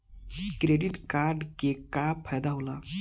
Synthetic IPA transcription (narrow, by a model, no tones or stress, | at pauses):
kɾeɖiʈkaːɾɖkekapʰəjd̪aɦola